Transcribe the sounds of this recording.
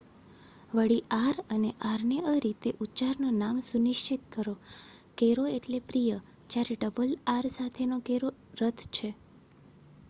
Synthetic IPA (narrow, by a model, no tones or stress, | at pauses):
ʋəɽiaɾəneʔaɾneʔəɾit̪eʔutːt͡ʃaɾnonamsunɪʃt͡ʃit̪kəɾo | keɾoeʈlepɾijə | t͡ʃaɾeɖəbəlaɾsat̪ʰenokeɾo | ɾət̪ʰt͡ʃʰe